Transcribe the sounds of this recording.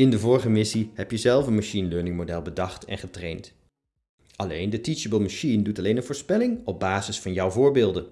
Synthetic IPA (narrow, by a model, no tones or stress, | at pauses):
ɪndəvʊːɹχəmɪsihɛpjəzɛlˠfənmaʃinløːɹnɪŋmodɛlˠbədɑχtɛ̰nχətrejnt | ɑlejndətit͡ʃəbəlˠmaʃindutɑlejnənvʊːɹspɛlɪŋɔb̚baːzɪsfɑnjʌwvʊːɹbɪːlˠdən